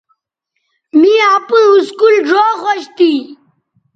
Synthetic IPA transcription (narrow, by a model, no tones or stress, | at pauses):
miapəuskulʐoːʁoɕt̪i